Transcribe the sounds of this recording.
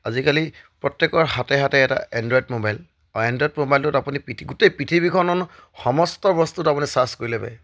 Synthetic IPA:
azikalipɹɔtjɛkɔɹhatɛɦatɛɛta̰ɛndɔjtmobajl | ɛndjdmobajltʊtapunipɹitʰiɡutejpɹitʰibikʰɔnɔn | xɔmɔstɔbɔstutapunisaskoɹilɛba̰j

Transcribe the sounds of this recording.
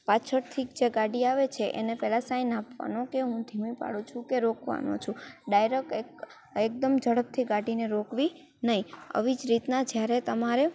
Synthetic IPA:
pat͡ʃʰəɾt̪ʰikd͡ʒeɡaɖiaʋet͡ʃʰeʔḛnepɛlasainapʋa̰nõkeɦũd̪ʱimĩpa̰ɽũt͡ʃʰũkeɾokʋa̰no̰t͡ʃʰũɖajɾəkek | ek̚d̪əmd͡ʒəɽəp̚t̪ʰiɡaɽineɾokʋi | nəɦiə̰ʋid͡ʒɾit̪nad͡ʒjaɾet̪əmaɾe

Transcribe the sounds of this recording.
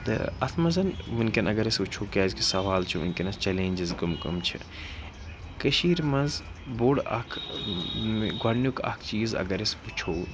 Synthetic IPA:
t̪ɨ̰ɐt̪ʰmɐzɐnmunkʲɐnɐɡɐɾesut͡ʃʰoːkʲaːzkisɐʋaːlt͡ʃʰumḭnkɐnɐst͡ʃɐlẽːnʲd͡ʒizɡɐmkɐ̰mt͡ʃʰḭ | kəʃiːɾmɐnzboːɽɐ̰kʰ | ɡwanjukɐ̰kʰt͡ʃiːzɐ̰ɡɐɾesput͡ʃʰoː

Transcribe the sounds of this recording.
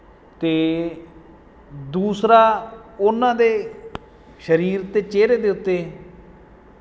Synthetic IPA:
t̪eː | d̪uːsɾaːʊnãːd̪eː | ʃəɾiːɾt̪ːeːt͡ʃeːɾeːd̪eːʊt̪ːeː

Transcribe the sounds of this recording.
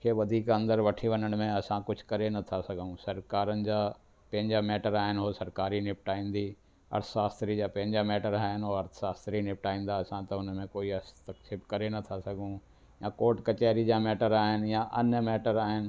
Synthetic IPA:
kʰeːʋɐd̪ʱiːkɐ̃nd̪əɾʋɐʈʰiʋɐnəɽ̃mẽɐsãkʊd͡ʑʱkɐɾenɐt̪ʰasɐɡʱũsɐɾkaːɾənɪ̆d͡ʑaː | pɐ̃ɦɪ̃ɲd͡ʑamɛːʈəɾaːɦɪnɪɦoːsɐɾkaːɾinɪpʈaːĩːn̆d̪iː | ɐ̰ɾt̪ʰʃaːst̪ɾid͡ʑaːpɐ̃ɦɪ̃ɲd͡ʑamɛːʈəɾaːɦɪnɦoɐɾt̪ʰsaːst̪ɾinɪp̚ʈaːĩːn̆d̪aɐsãt̪ɐʊnmẽkoːiɐst̪əksɪbkɐɾenɐt̪ʰasɐɡʱũ | jãːkoːɾʈkɐt͡ɕaːɾid͡ʑaːmɛːʈəɾaːɦɪnjãʔɐnəmɛːʈəɾaːɦɪnɪ̆

